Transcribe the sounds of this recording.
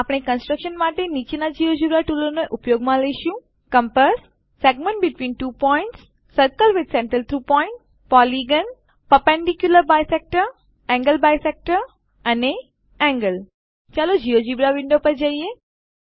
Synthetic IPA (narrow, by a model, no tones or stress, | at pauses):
apɽ̃ekə̃nsʈɾəkʃənmaʈenit͡ʃinad͡ʒiod͡ʒibɾaʈulonoʔupjoːɡmãləiʃũ | kə̃mpəsː | ɛɡmə̃ɳʈ̚bɪʈʋĩːnʈuːpɔɪ̃ɳʈsː | əɾkəlʋɪd̪sɛ̃ɳʈɾəlt̪ʰɾuːpɔɪɳʈ | pɔliɡən | pəpɛ̃ɳɖikjuləɾbajsɛk̚ʈəɾ | ɛ̃ŋɡəlbajsɛk̚ʈəɾ | ɐne | ɛ̃ŋɡəl | t͡ʃalod͡ʒijod͡ʒibɾaʋɪ̃ɳɖopəɾd͡ʒaie